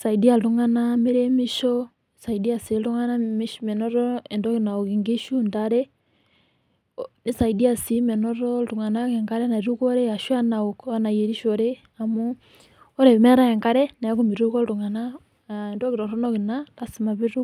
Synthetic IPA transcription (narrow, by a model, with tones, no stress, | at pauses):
sa˨i˨di˦a˨ltu˦ŋa˦na˦me˦ɾe˦mi˦ʃɔ˨ | sa˨i˨di˦a˨si˨lɾu˦ŋa˦na˦miʃmɛ˨nɔ˦ɾɔ˦ɛ˨ndɔ˦ki˨na˨o˨kiŋɡi˦ʃu˦ndaɾe˦ | ni˦sa˨i˨di˦a˨si˦mɛ˨nɔ˦ɾɔ˦ltu˨ŋa˨na˦kɛ˨ŋka˦ɾɛ˦na˨ɾu˦kɔ˦ɾe˦a˨ʃu˦a˦na˨okːna˨je˨ɾi˦ʃɔɾe˦ | a˨mu˦ | ɔ˦ɾe˨mɛ˦ɾa˦ɛ˨ŋka˦ɾɛ˦na˨a˦ku˦mi˨ɾu˦kɔ˦ltu˨ŋa˨na˦˨ | ndɔ˦ki˨ɾɔ˨ɾɔ˦nɔ˦ki˨nata˨si˨ma˨βi˦ɾu˦